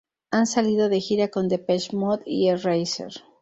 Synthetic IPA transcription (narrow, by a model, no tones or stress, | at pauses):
ansaliðo̞ðexiɾakond̪e̞peʃmoðierejsḛɾ